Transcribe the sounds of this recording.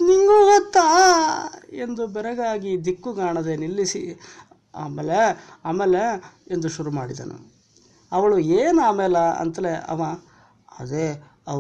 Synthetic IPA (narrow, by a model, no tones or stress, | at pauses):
niŋɡuːɡot̪ːa | end̪ubɛɾɛɡaːɡid̪ikːuɡaːɳɐd̪enilːisḭ | aːmeːleaːmeːleend̪uʃuɾumaːɽid̪ɐ̰nṵ | ɐʋɐɭueːnaːmɛːlɐɐ̰nt̪ɐleʔɐ̰ʋa | ɐd̪e | ɐ